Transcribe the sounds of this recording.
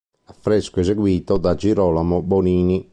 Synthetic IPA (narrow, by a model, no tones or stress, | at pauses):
afːɾeskoɛzeɡwiːt̪od̪ad͡ʒiɾɔlamoboniːni